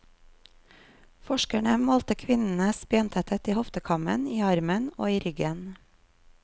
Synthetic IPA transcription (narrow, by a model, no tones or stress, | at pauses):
fɔʃkæɳəmoːlt̪əkʰʋɪnn̩əsbjɑnt̪ʰət̪ʰət̪iːhɔft̪əkʰɑmə̰niːɑɾməno̰ːiːɾʏɡən